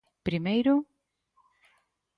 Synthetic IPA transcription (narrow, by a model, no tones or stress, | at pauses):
pɾimejɾʊ